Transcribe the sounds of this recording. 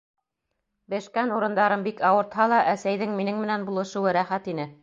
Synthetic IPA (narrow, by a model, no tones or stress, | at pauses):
bɘ̆ʃkænuɾɤ̆nd̪ɑɾɤmbikɑwɤ̆ɾt̪hɑlˠɑʔæsæjðɘŋminɘŋmɘ̆nænbulˠɤ̆ʃɤ̆wɤɾæχæt̪inɘ